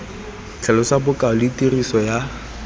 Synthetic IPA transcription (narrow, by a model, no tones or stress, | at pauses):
t͡ɬʰɛlɔsabʊkʼaʊlitʼirisɔja